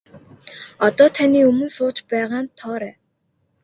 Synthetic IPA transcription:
ɔt̪ɔːt̪ʰaniːɵmɵ̆nsʊːt͡ɕpæːʁaːnt̪ʰɔːɾæː

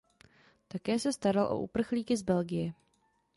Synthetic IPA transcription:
t̪akɛːsɛst̪aɾalʔo̰ʔṵpr̩xliːkɪzbɛlɡɪjɛ

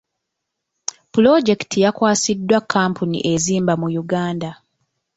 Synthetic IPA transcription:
pulo̞ɟe̞ktʰijakwaːsidːwakʰːaːmpunḭʔe̞ziːmbamujuɡaːnda

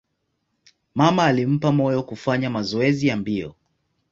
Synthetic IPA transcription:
mamaːlim̩pamɔjɔkufaɲamazɔɛzijambiɔ̰

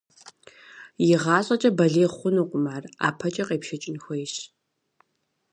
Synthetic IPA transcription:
jɪʁɑːɕʼɐt͡ʃʼɐbɐɮeːχʷʊnuːqʷʼʊmaːra̰ːpʰɐt͡ʃʼɐqeːpʃɐt͡ʃʼɪnxʷɔjɕ

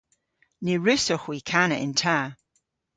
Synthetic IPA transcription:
niɹʉsɔxwikʰanəʔɪntʰaː

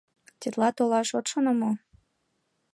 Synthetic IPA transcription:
t̪ʲet̪lɑt̪olɑʃot̪ʃonə̆mo

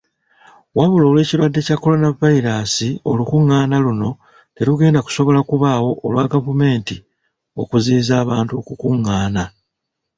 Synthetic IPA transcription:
waβulo̞ːlwe̞ːciɾwadːe̞cakːo̞lo̞navaiɾasio̞̰lukuŋːaːnaluno̞ | te̞ɾuɡe̞ːndaku̥so̞βo̞lakuβawo̞ʔːlwaɡavume̞ːnti | o̞̰kuziːzaːβaːntukukuŋːaːna

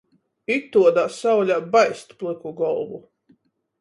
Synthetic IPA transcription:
it̪ːuɔd̪aːsawlʲaːbajst̪plˠɨkuɡɔlˠvu

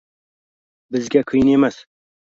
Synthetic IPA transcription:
bɨzɡʲɛkʰɨjneːmɐs

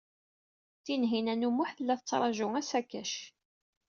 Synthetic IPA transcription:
θinɦinænumʊħθəlːæθət͡sːɾˤɑʒʊŋæsækːæʃ

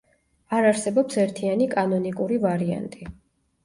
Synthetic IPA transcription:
aɾaɾsɛbɔpsɛɾt̪ʰianikʼanɔnikʼuɾivaɾia̰nt̪ʼi

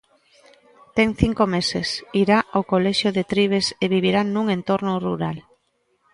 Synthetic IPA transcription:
t̪ɛŋθiŋkomesḛsiɾaʔowkolɛʃjoðet̪ɾiβ̞eseβiβ̞iɾanːuŋẽnt̪oɾnʊruɾal

